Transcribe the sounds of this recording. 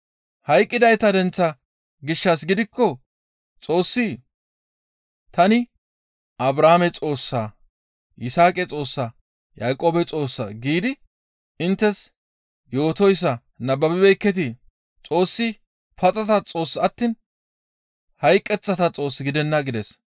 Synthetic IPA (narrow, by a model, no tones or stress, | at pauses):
hɐjkʼːɪd̪ɐjt̪ɐd̪ɛnt͡sːɐ | ɡɪʃːɐs̬ɡɪd̪ɪkːɔ | t͡sʼo̞ːsːi | t̪ɐnɪ | ʔɐbɾaːmɛt͡sʼo̞ːsːaː | ʔɪsaːkʼɛt͡sʼo̞ːsːa | jaːkʼoːbɛt͡sʼo̞ːsːa̰ːɡiːd̪ɪ | ɪnt̪ːɛs | jo̞ːt̪ɔjsːɐ | nɐbːɐbɪbɛjkːɛt̪̬ɪ | t͡sʼo̞ːsːɪ | pɐt͡sʼɐt̪ɐt͡sʼo̞ːsːɐt̪ːiːn | hɐjkʼːɛt͡sːɐt̪ɐt͡sʼo̞ːsːɪɡɪd̪ɛnːɐɡɪd̪ɛs